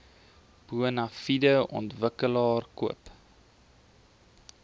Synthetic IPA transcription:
b̥uənɐfidəɔ̰ntvəkəlɑːrkuəp

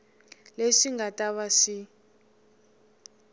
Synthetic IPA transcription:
leʂiŋɡatʼaβaʂi

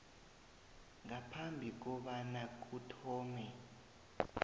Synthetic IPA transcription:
ŋapʰambʱik̬ɔɓanak̬utʰɔːmɛ

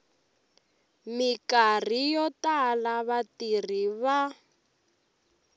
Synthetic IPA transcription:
mikar̤ijɔtalaβatir̤iβa

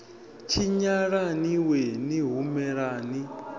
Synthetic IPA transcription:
t͡ʃʰiɲaɺaniweniɦumɛɺaːni

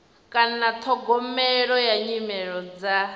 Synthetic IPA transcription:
kʼanat̪ʰɔɡɔmɛɺɔjaɲimɛɺɔd͡za

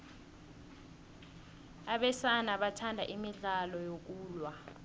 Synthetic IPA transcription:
aɓɛsanaɓatʰandʱa̰ʔimiɮalɔjok̬uːlwa

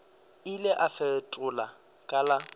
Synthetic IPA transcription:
ɪlɪʔafɛtʼʊla | kʼala

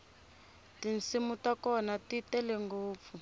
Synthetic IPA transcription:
tinsimutakɔnatitɛlɛŋɡoːp̪fu

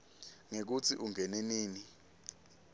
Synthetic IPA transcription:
ŋek̬ut͡sʰiʔuŋɛneniːni

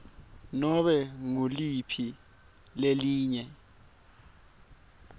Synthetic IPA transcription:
nɔɓɛŋulipʰi | leliːɲɛ

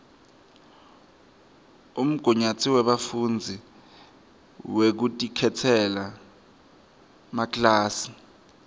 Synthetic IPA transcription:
um̩ɡ̥ʱuɲat͡sʰiwɛɓafund͡zʱi | wek̬utʼikʰɛtʰɛla | maklaːsi̥

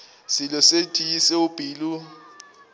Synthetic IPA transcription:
silɔsetʼijisɛub̥ʱiːlu

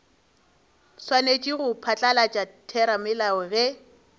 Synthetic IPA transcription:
swanet͡ʃʼiɣʊpʰat͡ɬʼalat͡ʃʼatʰɛɾamɪlaɛɣɛ

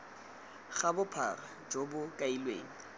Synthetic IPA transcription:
χabʊpʰarad͡ʒobʊkʼailwḛːŋ̩

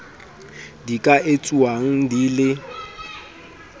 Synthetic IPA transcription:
dikʼaʔet͡sʼuaŋ̩dilɪ

